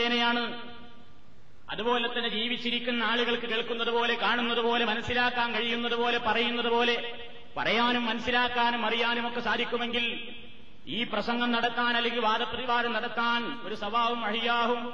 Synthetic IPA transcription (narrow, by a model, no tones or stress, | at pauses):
eːnɐjaːɳɨ | ɐ̰ðupo̞ːle̞t̪ːɐned͡ʑiːʋit͡ɕːiɾikʲːunːɐaːɭuɣɐɭkɨkeɭkːunːɐðupo̞ːle̞kaːɳunːɐðupo̞ːle̞mɐnɐsːilaːkːaːnkɐɻijunːɐðupo̞ːle̞pɐrɐjunːɐðupo̞ːle̞ | pɐ̰rɐjaːnumːɐnɐsːilaːkːaːnumɐrijaːnumokːe̞saːd̪ʱikʲːume̞ŋɡil | iːprɐsɐŋɡɐmnɐɽɐt̪ːaːnɐlɐɡiʋaːd̪ɐpːɐðiʋaːɾɐmnɐɽɐt̪ːaːno̞ɾusɐbaːʋumɐʂijaːɦum